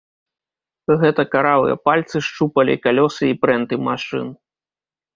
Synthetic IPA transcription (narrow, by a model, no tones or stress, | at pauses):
ɣɛt̪ɐkaɾavɨ̰jɐ̰palʲt̪sɨʂt͡ʂupɐlʲḭkalʲɔsɨipɾɛnt̪ɨmaʂɨ̰n